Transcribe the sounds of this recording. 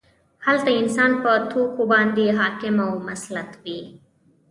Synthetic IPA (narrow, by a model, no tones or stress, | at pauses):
hɐlt̪ɐinsaːnpɐt̪ʰuːkubãːnd̪iɦaːkimɐwmɐslɐt̪wiː